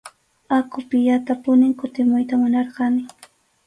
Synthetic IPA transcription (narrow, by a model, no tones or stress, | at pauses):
akʊpɪjat̪apʊnɪŋkʊt̪ɪmʊjt̪amʊnɑɾɢɑnɪ